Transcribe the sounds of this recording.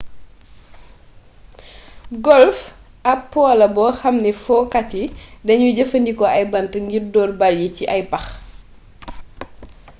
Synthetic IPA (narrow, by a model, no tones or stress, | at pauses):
ɡɔlf | ɐpːɔːlɐbɔxɐmnifɔːkatidɐɲuɟəfəndikɔɐjbɐntəŋɡirdɔːrbaljiciʔɐjbɐx